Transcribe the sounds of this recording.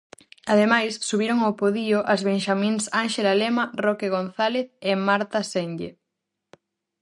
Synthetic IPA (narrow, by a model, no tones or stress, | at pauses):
aðemajsːuβiɾoŋapoðiʊʔazβeŋʃamĩnsaŋʃelalemɐrɔkeɣonθaleθemaɾt̪asenɡe